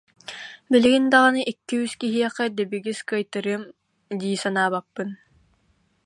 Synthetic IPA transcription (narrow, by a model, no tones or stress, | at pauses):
biliɡind̪aʁɯnɯʔikːiyskiɦiɛqɛd̪ɛbiɡiskɯjt̪ɯɾɯm | d̪iːsanaːbapːɯn